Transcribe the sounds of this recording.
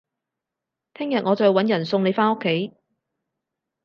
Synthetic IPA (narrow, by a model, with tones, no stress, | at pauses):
t̪ʰɪ˥ŋjɐ˨t̚ŋɔː˨˧t͡sɔː˧jwɐ˨˥njɐ˨˩nsʊ˧ŋne˨˧jfaː˥nʊ˥kʰːe˨˥j